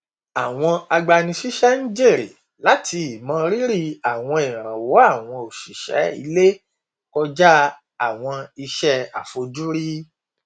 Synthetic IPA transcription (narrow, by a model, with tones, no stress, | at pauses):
a˨w̃ɔ̃˧a˧ɡ͡ba˧nĩ˧ʃi˦ʃɛ˦nĩ˦d͡ʒe˦˨ɾi˨ | la˨˦tʰi˧i˨mã˦ɾi˦ɾi˦a˨w̃ɔ̃˧i˨ɾ̃ã˨wɔ˨˦a˦˨w̃ɔ̃˧o˨ʃi˨ʃɛ̰˨˦ḭ˧˦le˦ | kɔ˦˧d͡ʒa˦ | a˦˨w̃ɔ̃˧i˧ʃɛ˦a̰˨fo˧d͡ʒu˦ɾi˦